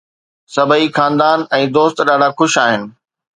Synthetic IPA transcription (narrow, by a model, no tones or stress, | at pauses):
sɐbʱəixaːnd̪aːnɛ̃ːd̪oːst̪ɗaːɖ̤axʊʃaːɦɪnɪ̆